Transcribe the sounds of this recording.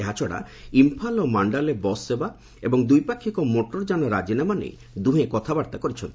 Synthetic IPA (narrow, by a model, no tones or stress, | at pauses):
eɦat͡ʃʰɔɽa̰impʰalɔmaɳɖalebɔseba | ebɔŋd̪ujpakʰːikɔmoʈɔɾd͡ʒanɔɾad͡ʒinamanḛj | d̪ũɦẽkɔt̪ʰabaɾt̪akɔɾit͡ʃʰɔnt̪i